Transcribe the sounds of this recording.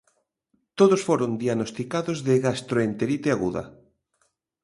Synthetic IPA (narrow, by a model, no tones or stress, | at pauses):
t̪oðosfoɾond̪ianost̪ikaðozðeɣast̪ɾoent̪eɾit̪eaɣuðɐ̰